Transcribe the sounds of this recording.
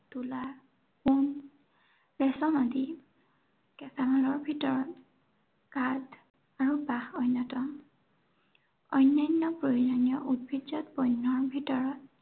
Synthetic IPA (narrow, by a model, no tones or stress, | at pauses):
tula | kun | lɛsɔnɔdi | kɛsamalɔɹbʱitɔɹɔt̚ | kad | aɹubahɔjnɔtɔm | ɔjnːajnːɔpɹoɹizɔnijɔʔud̚bʱid͡ʒɔtbɔjnːɔɹbʱitɔɹɔt̚